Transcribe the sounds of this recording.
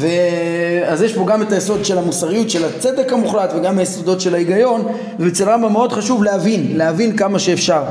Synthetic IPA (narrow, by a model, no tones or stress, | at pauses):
veazjeʃpo̞ɡame̞t̪ajeso̞d̪ʃe̞lamusaʁijut̪ʃe̞lat͡se̞d̪e̞kamuχlat̪veɡamajeso̞d̪o̞tʃe̞laiɡajo̞n | vebet͡selʁambameo̞d̪χaʃuvlehavinleavinkamaʃeːfʃaʁ